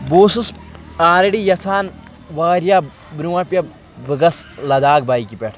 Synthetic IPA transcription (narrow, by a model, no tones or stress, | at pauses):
boːsusaːɾɐɽijɐsʰaːn | ʋaːɾjaː | bɾuwɐpʲjɐ | bɨɡɐslɐd̪aːɡ̚baːikipʲeʈʰ